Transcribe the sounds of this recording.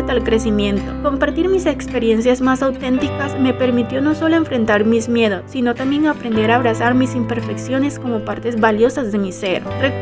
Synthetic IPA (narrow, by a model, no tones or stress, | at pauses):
t̪alkɾe̞simjẽ̞nt̪o̞ko̞mpaɾt̪iɾmisekspe̞ɾje̞nsjazmasawt̪e̞nt̪ikasme̞pe̞ɾmit̪jo̞no̞so̞loe̞ɱfɾe̞nt̪aɾmismje̞ð̞o̞sːino̞t̪ambje̞ŋaːpɾend̪e̞ɾaːβ̞ɾasaɾmisimpe̞ɾfe̞ksjo̞ne̞sko̞mo̞paɾt̪e̞zβaljo̞sazðe̞mise̞ɾre